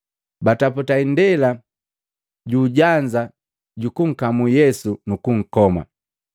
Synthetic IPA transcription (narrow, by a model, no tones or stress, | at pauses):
bataputaindɛla | ɟuːɟaɲd͡ʒa | ɟukuŋ̩kamujɛsunukuŋ̩kɔma̰